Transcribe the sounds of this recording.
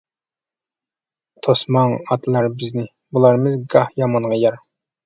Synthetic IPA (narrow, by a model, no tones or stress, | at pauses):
t̪ʰosmɑŋɑt̪ʰlˠɑɾbɪznɪ | bulˠɑɾmɨzɡɑhjɑmɑɴʁɑjɑɾ